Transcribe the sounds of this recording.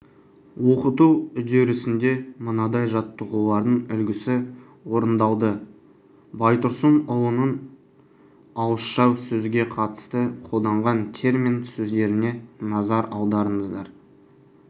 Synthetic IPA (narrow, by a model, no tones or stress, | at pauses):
wo̞qət̪uʏd̪eɾɪsɪnd̪e̞mənɑd̪ɑjʒɑt̪ːəʁulˠɑɾd̪əɴʏlɡʲɪsɪ | wo̞ɾənd̪ɑlˠd̪ə | bɑjt̪ʊɾsənʊlˠənən | ɑwəʃʃɑwsɵzɡʲe̞qʰɑt̪ə̥st̪əqʰo̞lˠd̪ɑɴʁɑnt̪ʲʰe̞rmʲinsɵzd̪e̞ɾɪne̞nɑzɑɾɑwˠd̪ɑɾəɴəzd̪ɑɾ